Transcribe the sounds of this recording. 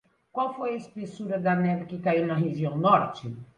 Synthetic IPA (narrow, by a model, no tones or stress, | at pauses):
kwawfojɐispesuɾɐd̪ɐnɛvɪkɪkaiwnɐɦeʒiɐ̃w̃nɔɾt͡ʃɪ